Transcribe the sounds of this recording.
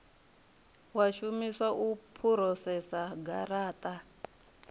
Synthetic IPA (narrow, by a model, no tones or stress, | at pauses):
waʃumiswaʔupʰuɾɔsɛsaɡa̰ɾaːtʼa